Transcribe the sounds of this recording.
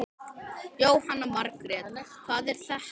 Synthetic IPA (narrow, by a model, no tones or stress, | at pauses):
joːwhanːamaɾkɾɛːt̪kʰvaːðɛɾ̥θah